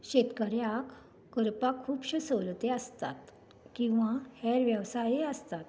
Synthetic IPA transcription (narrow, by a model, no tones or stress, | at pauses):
ɕet̪kəɾjakː | əɾpakʰːuːpɕəsəʋlt̪eəst̪a̰t̪ | kĩw̃ʋãhɛɾʋjəʋsajeəst̪at̪